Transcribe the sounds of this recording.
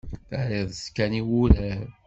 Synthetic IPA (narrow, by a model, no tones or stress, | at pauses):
θəɾiðˤskæniwulæ